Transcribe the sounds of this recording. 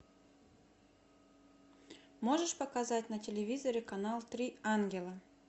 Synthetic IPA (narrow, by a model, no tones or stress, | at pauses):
moʐəʂpəkazatʲnətʲɪlʲɪvʲizəɾʲɪkanalˠt̪ɾʲianɡʲɪlˠə